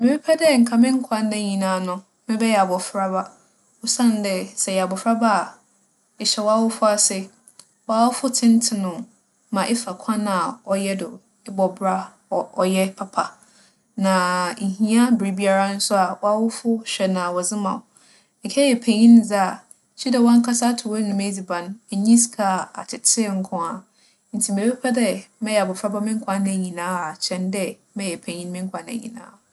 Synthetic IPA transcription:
mɪ̃˨bi˦pʰɛ˦dɛ˦˨ŋ̩˨kʰa˨mɪ̃˦ŋ̩˦kʷʰã˦n˦dɛ˦ɲĩ˨nãː˨˦˨nʊ̃˨ | mɪ̃˦bɛ˦jɛ˨a˨bɔ˨fɾa˦ba˦ | ʊ˦sã˦n˦dɛ˦sɛ˨jɛ˨a˨bɔ˨fɾa˦ba˦˨ | ɪ˨ɕɛ˨wɔ˦a˦wʊ˦fʊ˦a˨sɪ˦ | wɔ˨˦a˨wʊ˦fʊ˦tʰɪ̃˦n˦tʰɪ˦nʊ̃˨ | mã˨ʔɪ˦fa˨kʷʰã˦nã˨ɔ˨jɛ˦dʊ˨ | ɪ˦bɔ˨bɾa˦˨ | ɔ˨jɛ˦pʰa˨pʰa˨ | nã˨ŋ̩˨ɦĩ˦a˦bi˦bi˦a˦ɾa˦n̩˦sʊ˦a˨wɔ˦a˦wʊ˦fʊ˦ɕᶣɛ˨nã˨wɔ˨zɪ˦mã˨ʊ˨ | ɛ˨kʰɛ˦jɛ˨pʰe˨ɲĩ˦n˦d͡za˦a˨ | t͡ɕʰi˦dɛ˨wɔ̃˦ŋ̩˦kʰa˦sa˦tʰʊ˨wɛ˦nʊ̃˨m˦d͡zi˨bã˨n˦ɛ˨ɲĩ˦skʰa˨a̰˨tʰɪ˨tʰɪ˦˨ŋ̩˦kʰɔ̃˦a˨ | n̩˨tʰi˨m˨e˨be˦pʰa˦dɛ˦mɛ̃˦jɛ˨a˨bɔ˨fɾa˦ba˦mɪ̃˦ŋ̩˦kʰã˨nɛ̃˨ɲĩ˨nãː˨˦a˨t͡ɕʰɛ̃˦ndɛ˦ | mɛ̃˦jɛ˨pʰæ̃˨ɲĩ˦n˦mɪ̃˦ŋ˦kʰã˨˦næ̰̃˨ɲḭ̃˨nã̰ː˨˦

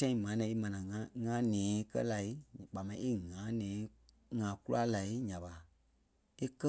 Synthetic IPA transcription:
tã˦ĩ˨mãː˨˦nɛ̃˧˨e˦mã˨nã˨ŋã˧˨ŋã˦nɛ̃ː˨˦kɜ̰˦la˨i˦˨ɓa˨mã˧ĩ˦ʔe˦ŋã˨˦nɛ̃ː˨˦ | ŋã˨˦ku˦a˦la˨i˦ɲã˨ɓa˨ | e˦kɜ˦

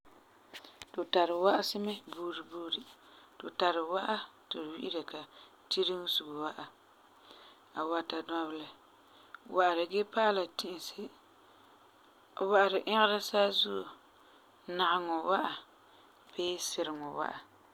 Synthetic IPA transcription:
to˨ta˨ɾɪ˨wa˦ʔa˦sɪ˦mɛ˦buː˦˨˦ɾi˨buː˦ɾi˨to˨ta˨ɾɪ˨wa˦ʔa˦tɪ˨ɾwḭ˦ʔi˦ɾa˨ka˨ | ti˦ɾi˦ŋ˦su˨ɡo˨wa˦ʔa˨ | a˨wa˨ta˨dɔ˦bɪ˦lɛ˨ | wa˨ʔa˨ɾɪ˨ɡe˦paː˦la˨tɪ˨ʔɪ˨sɪ˦ | wa˨ʔa˨ɾɪ˨ʔɪ̃˦ɣɪ˦ɾa˦saː˦zu˦o˨ | na˨ʔɪ˨ŋɔ˨wa˦ʔa˨ | beː˦sɪ˨ɾɪ˨ŋɔ˨wa̰˦ʔa˨

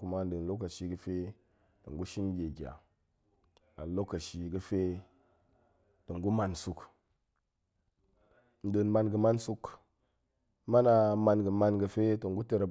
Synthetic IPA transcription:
ku˨ma˦n̩˦də˨n˨lo˦kːa˨ʃi˨ɡə˨fe˦ | to˨ŋɡu˦ʃi˦nɡʲe˨ɡʲa̰˨ | a̰˨lo˦kːa˨ʃi˨ɡə˦fe˦ | to˨ŋɡu˦ma˨nsu˨k | n̩˦də˨nma˨nɡə˨ma˦nsu˦k | ma˦na˨ma˨nɡə˨ma˨nɡə˨fe˦to˨ŋɡu˦tə˨ɾə˨

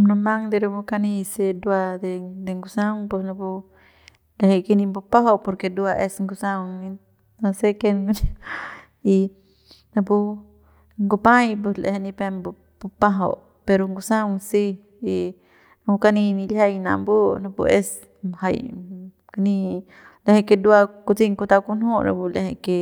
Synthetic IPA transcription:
na˧ma˦ŋd̪e˧ɾu˧bu˧ka˧ni˧se˧d̪u˧a˧d̪e˧d̪e˧ŋɡu˧sa˦ŋpo˧sna˧pu˧ | lehe˧jke˧ni˧mbu˧pa˦ɦo˦˧po˧ɾke˧d̪u˧a˧ʔe˧sŋɡu˧sa˧wŋni˧ | na˧se˦ke˧nn | i˧ | na˧pu˧ | ŋɡu˧pã˦jp̬u˧slḛ˧he˧nĩ˧pe˧mbu˧ | bu˧pa˦ɦo̰˧˨ | pe˧ɾo˧ŋɡu˧sã˦wsi˦ | i˧ | nau˧ka˧nĩ˧nĩ˧lʲha˧jnã̰˧mbu˦na˧pṵ˧ʔe˧s | ha˧j | kani˧ | le˧he˧ke˧d̪u˧˦a˧ku˧t͡si˦˧ŋku˧t̪a˧ku˧nhu˦ɾa̰˧bu˧le˧he˧˨ke˧

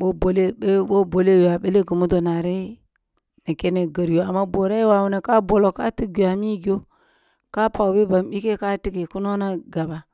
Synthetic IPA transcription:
bo˦bo˨le˦e˦bo˦bo˨le˦wa˨ɓe˦le˦ɡə˨mu˦do˨na˨ɾi˦ | ni˨ke˦ne˨ɡə˨ɾjo˨a˨mːa˦bo˨ɾa˦i˦wa˨wu˨ne˨ka˦bo˨lo˨ka̰˦ti˦ɡu˨a˨mi˦ɡi˨o˦ | ka˦pa˨wbe˦ba˨mbi˦ke˦ka˦ti˦ki˨ku˦no˦na˦ɡa˨ba˨

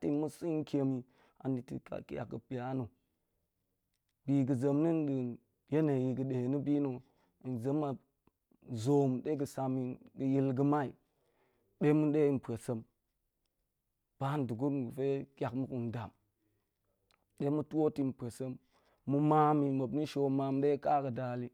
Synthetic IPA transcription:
ti˨mu˦si˦n˦kʰʲe˨mi˨ | a̰˨ni˨tḭ˨ka̰˨kja̰˨kə˨pi˨ja˦nu˨ | bi˨ɡə˨zə˨mni˦nɗə˨ | je˦ne˨ji˨ɡə˨ɗe˨he˨nu˦bi˦no˨ | nzə˨˦ma˨ | zo˨m˨ɗe˦ɡə˨sa˨mi˨ɡə˨ji˦lɡə˦ma˦i˨ | ɗe˦mu˦ɗe˦i˨m˨pe˨sə˦m | b̥a˦n˨du˨ɡu˦ɾm˨ɡu˨fe˦kʲa˨kmu˦ku˨n˨da˨m | ɗe˦mu˦tu˦wo˦ti˦m˨pe˨sə˦mː | u˨ma˦mi˨ma˨bni˦ʃo˨ma˨m˦ɗe˦ka˦ɡə˨da˨li˦

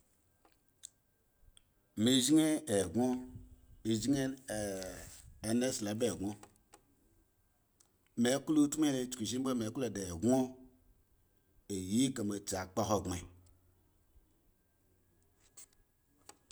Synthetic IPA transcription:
mi˨ʒi˦ŋe˦e˨ɡo˦ | i˨d͡ʒŋe˦˨ | ne˦sla˨˦be˦˨ɡo˦ | me˨˦klu˦tmʷ˦e˦ne˨t͡ʃki˨ʒi˦ba˦me˨˦kle˨de˨ɡo˦ | e˨ji˦ka˨me˨t͡ʃa˨k͡pa˦ɦo˨ɡe˨

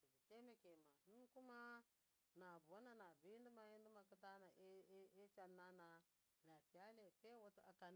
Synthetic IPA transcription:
si˨bi˨te˦ma˨ke˨ma˨nu˦n˦ku˦ma˦ | na˨bwa˦na˦na˨bi˦i˦ndu˦ma˨ji˦n˦du˦ma˨ki˦ta˦na˨˦e˦t͡ʃa˨nːa˦na˨ | na˨pi˨a˦le˨pe˦wo˦tu˦a˨ka˨n˦

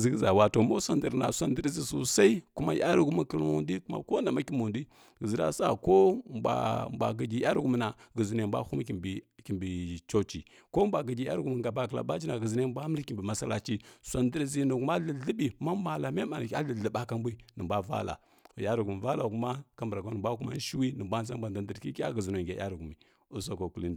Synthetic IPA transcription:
zi˦ɡza˨wa˨to˨mo˦sa˨ndi˨ɾna̰˨sʷa˨ndə˦ɾzi˨su˨sa˦i˦ku˦ma̰˦ja˦ɾu˦ɡu˦mu˨kə˦lṵ˦ndi˦ku˦ma̰˨ko˦na˨ma˦ki˦mu˨ndi˦ | ɡə˨zi˨ɾa̰˦sa˦˨ko˦ba̰˨mbʷa̰˨ɡə˨ɡi˨ja˦ɾɡu˦m˨na˨ɡə˨zi˨ne˨mbʷa̰˦hu˦m˦ki˨bi˨ki˨mbi˨t͡ʃo˦t͡ʃḭ˨ | ko˦mbʷa˨ɡə˨ɡʲi˨ja̰˦ɾɡu˨mi˨ɡa˨ba˦kla̰˨ba˦t͡ʃi˦na˨ɡə˨zi˨ne˦˨mba˦m˦lki˨mbi˨ma˦sa˦la˦t͡ʃi˦sa˨ndə˦ɾzi˦nu˨ku˦ma˦ɮə˨ɬə˦bi˨ma˦ma˨la˨me˦ma˨n˨ka˦ɮə˨ɮə˨ɓa˦ka˦mbi˦nə˨bʷa˦va̰˦la̰˨ | o˨ja˦ɾu˨ɡu˨mi˨va˦la˨ku˦ma˦ka˦mbɾa˨ka˦nə˨mbʷa˦ku˦ma̰˦n˦ʃi˦wi˦nə˨mbʷa˦n˦s̬a˦m˦ba˨nda˨də˨ɾki˦kʲa̰˦ɡə˨zi˨no˨ɡʲa˨ja̰˦ɾu˨ɡu˨mi˨ | u˦so˨ko˨ku˦li˦nd

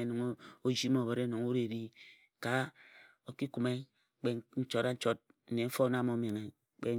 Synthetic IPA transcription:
e˦no˨ŋo˦o˦d͡ʒi˦mo˦˨bo˨ɾe˦no˨ŋu˦ɾe˨ɾi˦ | ka˨ | o˨ki˦ku˨me˦ | k͡pe˦n̩˦t͡ʃo˦ɾa˦n̩˦t͡ʃo˦t̚n̩˨ne˨m̩˦fo˦na˦mo˦me˨ŋe˨ | k͡pe˦

